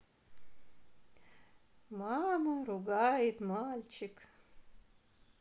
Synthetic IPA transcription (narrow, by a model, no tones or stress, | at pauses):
mamɐruɡajɪt̪malʲt͡ʃɪk